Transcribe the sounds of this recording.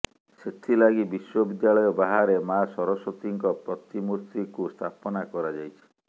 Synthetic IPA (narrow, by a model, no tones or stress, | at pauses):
set̪ʰilaɡibiswɔbid̪jaɭɔjɔbaɦaɾemasɔɾɔsɔt̪iŋkɔpɾɔt̪imuɾt̪ikust̪ʰapɔnakɔɾad͡ʒajt͡ʃʰi̥